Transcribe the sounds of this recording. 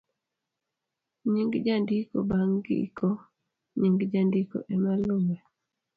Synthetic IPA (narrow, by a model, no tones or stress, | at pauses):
ɲiŋɡd͡ʒandiko̰baŋɡḭko | ɲiŋɡd͡ʒandiko̰ʔɛmalumɛ